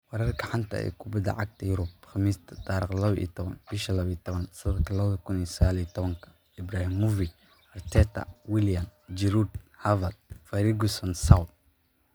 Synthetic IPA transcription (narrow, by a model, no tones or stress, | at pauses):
wɛɾɐrkʰɐħant̪ʰɐ̰ɛ̰ːkʰʊbɐd̪ɐ̰ʕaɡ̚t̪ʰɐjʊɾʊb̚χɑmiːst̪ʰɐ̥t̪ɑːɾḭːχlɐβɐḭt̪ʰɔβɐnb̥ɪʃɐlɐβit̪ʰɔβɐnsɐðɐd̪kʰɐlɐβɐðɐkʰʊnisɐɣaːlit̪ʰɔβɐŋkʰɐ̥ | ɪbɾaːhimːuvi | ɐrt̪ʰɛːt̪ʰɐ̰wɪljɐmd͡ʒɪɾud̪ | hɐvɐd̪̚fɐɾiɡʊsɐnsawt̪̚